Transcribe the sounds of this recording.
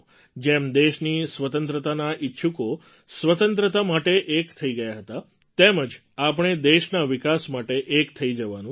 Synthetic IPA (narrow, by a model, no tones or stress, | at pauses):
d͡ʒemd̪eʃnisʋət̪ənt̪ɾət̪anaʔitːʃʰuko | sʋət̪ənt̪ɾət̪amaʈeʔekt̪ʰəiɡəjaɦət̪a | t̪eməd͡ʒ | ap̬ɳ̃ed̪eʃnaʋikasmaʈeʔekt̪ʰəid͡ʒəʋanũ